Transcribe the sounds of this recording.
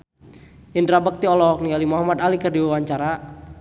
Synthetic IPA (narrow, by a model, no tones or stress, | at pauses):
ʔindɾabək̚t̪iɔlɔɔk̚nialimɔɦamat̪alikərdiwawaɲt͡ʃaɾa